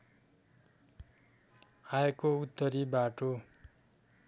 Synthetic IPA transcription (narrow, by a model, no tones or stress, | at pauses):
aekout̪ːʌɾibaʈo